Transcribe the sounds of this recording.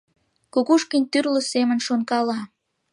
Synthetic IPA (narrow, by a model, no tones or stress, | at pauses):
kukuʃkənʲt̪yrlə̆semə̆nʃonkɑlɑ